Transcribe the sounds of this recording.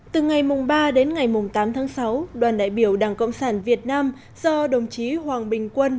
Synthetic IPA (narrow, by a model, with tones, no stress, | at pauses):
t̪ɨ˨˩ŋa˨˩jmʊ˨˩ŋ͡mɓaː˧ɗe˨˦nŋa˨˩jmʊ˨˩ŋ͡mt̪aː˨˦mt̪ʰaː˨˦ŋsa˨˦wɗwaː˨˩nɗa̰ː˧˨jɓi˧˩əwɗaː˨˩ŋkə̰˧˨wŋ͡msaː˧˩nvi˨˩ət̚naː˧m | z̥ɔ˧ɗə˨˩wŋ͡mt͡ɕi˨˦hwaː˨˩ŋɓï˨˩ŋ̟kwə˧n